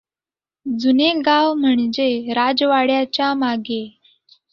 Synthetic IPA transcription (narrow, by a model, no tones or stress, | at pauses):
d͡zuneɡawm̤əɳd͡ʑeɾad͡zʋaɽjat͡ɕjamaɡe